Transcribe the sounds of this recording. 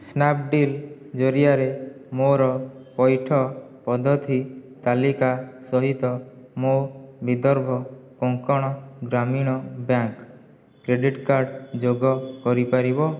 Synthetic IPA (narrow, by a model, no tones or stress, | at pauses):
snap̚ɖil | d͡ʒɔɾiaɾemoɾɔpɔjʈʰɔpɔd̪ʱɔt̪ʰit̪alikasɔɦit̪ɔmobid̪ɔɾbʱɔkɔŋkɔɽ̃ɔɡɾamiɽ̃ɔbjaŋk | kɾeɖiʈkaɾɖd͡ʒoɡɔkɔɾipaɾibɔ